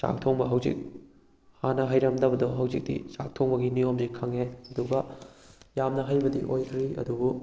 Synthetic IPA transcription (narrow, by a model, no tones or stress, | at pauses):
sa̰k̚tʰoŋbɐɦɐwzḭk̚ | hanɐɦajɾɐmdɐbɐdɔɦɐwzik̚dḭt͡ʃak̚tʰoŋbɐɡinijomzikʰɐŋeɐduɡɐ | jamnɐɦajbɐdḭʔojkʰɾiɐ̰dubu